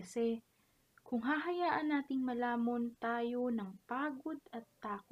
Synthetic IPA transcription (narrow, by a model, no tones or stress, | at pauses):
ɐsɛ | kʊŋɦaɦɐjaːʔɐnːaːt̪ɪŋmɐlaːmɐnt̪aːjo̞nɐŋpaːɡo̞d̪ɐt̪ːaːk